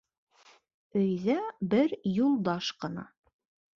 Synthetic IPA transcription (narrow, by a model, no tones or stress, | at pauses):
ɵ̆jðæbɘɾjulˠd̪ɑʃqɤ̆nɑ̰